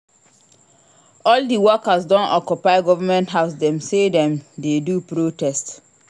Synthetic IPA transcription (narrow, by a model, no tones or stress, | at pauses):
ɔldiwɔkasdɔ̃nʔɔkjupaɪɡɔvamɛ̃ntɦaʊs̬dɛ̃msedɛ̃mdedupɹotɛst